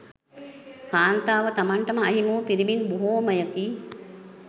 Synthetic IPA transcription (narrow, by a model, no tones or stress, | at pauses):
kaːnt̪aːʋət̪amaɳʈəməɐɦimuːpiɾiminboɦoːməjəkiː